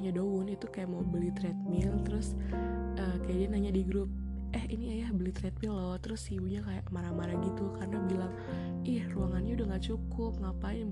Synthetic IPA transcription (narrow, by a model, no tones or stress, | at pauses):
ɲadowʊnit̪ukajaʔmawbəlit̪ɾɛt̪̚mɪlt̪əɾʊsʔəːkajaʔdianaɲadiɡɾʊp̚ | ʔɛhiniajahbəlit̪ɾɛt̪̚mɪlːɔht̪əɾʊsiwuɲakajaʔmaɾamaɾaɡit̪ukarənabilaŋ | ʔɪhruaŋanɲaudaŋɡaʔt͡ʃukʊp̚ŋapa